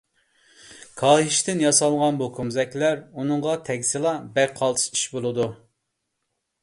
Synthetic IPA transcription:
kʰɑːɦiʃt̪ɪnjɑsɑlˠʁɑnbukʰumzɛkʲlæɾunɨŋʁɑt̪ʰɛkʲsɨlˠɑbɛqʰɑlˠt̪ʰɨ̥ʃi̥ʃbolˠɨd̪u

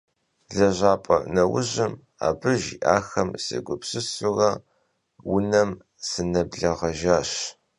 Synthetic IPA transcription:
ɮɐʑʷaːpʼɐ̰nɐwʊʑɪm | a̰ːbɨʒḭʔaːxɐmsɐ̰ɡʷʊpsɨsʊɣɐ | wʊnɐm | sɨnɐbɮɐʁɐʒaːɕ

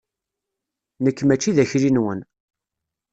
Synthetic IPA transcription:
nəkːmæt͡ʃːiðæçɾinwən

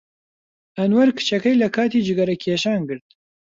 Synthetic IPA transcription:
ɐnwɐɾkʰɨ̥t͡ʃʰɛkɛjlɐkʰaːt̪iːd͡ʒɨɡɐɾɐkʰeːʃaːnɡɨɾt̪̚

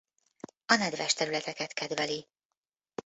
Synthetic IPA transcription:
ɒnɛd̪vɛʃt̪ɛɾylɛt̪ɛkɛt̪kɛd̪vɛli

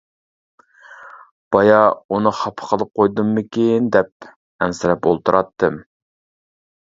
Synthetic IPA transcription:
b̥ɑjɑunɨχɑpʰə̥qʰəlˠɨp̚qʰojd̪umːɪkʲind̪ɛp̚ | ɛnsɪɾɛpolˠt̪uɾʔɑt̪ːɨm

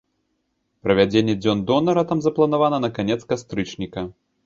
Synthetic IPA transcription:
pɾɐvʲad͡zʲenʲːɛd͡zʲɔnd̪ɔnɐɾɐt̪amzɐplˠɐn̪avanɐnɐkanʲɛt̪skast̪ɾɨt͡ʂnʲikɐ

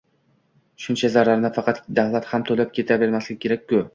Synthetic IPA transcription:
ʃʊnt͡ʃʰazaɾaɾnɪfɑqʰɑt̪d̪ahlˠat̪hamt̪ʰolap̚kʲʰe̞t̪ʰabe̞ɾmaslɪkʲʰe̞ɾak̚ʲkʊ

